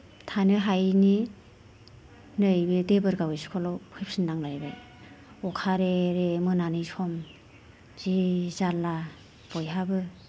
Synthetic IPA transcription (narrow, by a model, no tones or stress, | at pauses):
tʰanɯɦajni | nɯjbɯdebɯɾɡawɯjskʰɔlɔwpʰɯjp̚sindaŋlajbaj | ɔkʰaɾeɾemɯnanɯjsʰɔm | z̥izalːa | b̥ɔjɦabɯ